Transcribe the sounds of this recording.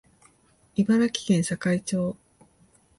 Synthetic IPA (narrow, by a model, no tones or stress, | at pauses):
ibaɾakʲi̥kẽɰ̃ɕakait͡ɕo̞ː